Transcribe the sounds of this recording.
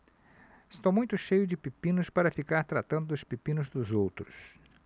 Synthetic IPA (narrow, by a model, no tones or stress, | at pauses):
ɪst̪owmũj̃t̪ʊʃejʊd͡ʒɪpipĩnʊspaɾɐfikaɾt̪ɾat̪ɐ̃nd̪ʊd̪ʊspipĩnʊzd̪ʊzowt̪ɾʊs